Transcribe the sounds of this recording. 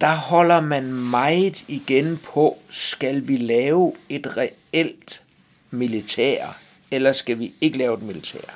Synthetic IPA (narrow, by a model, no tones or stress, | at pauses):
d̥ɑ̈hɒ̽l̰ɐmænmɑ̈ɪiɡ̥enpʰɒ̽sɡ̥ælʋilɛːʊe̝d̥ʁɛ | el̰d̥ | milit͡sʰḛːɐ̰ | elɐsɡ̥æʋie̝ɡ̥əlɛːʊe̝d̥milit͡sʰɛ̰ɐ̰